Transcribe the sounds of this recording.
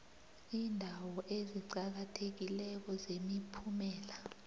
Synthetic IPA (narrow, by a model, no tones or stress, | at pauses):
iːndʱawɔʔeziǀak̬atʰek̬ilɛk̬ɔzemipʰumɛːla